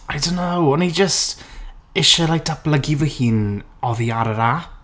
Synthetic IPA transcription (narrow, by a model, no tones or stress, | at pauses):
ajdonːowɔnid͡ʒəstɪʃɛlaj̚tʰab̥lˠəɡivəhiːn | ɔðiaɾəɾa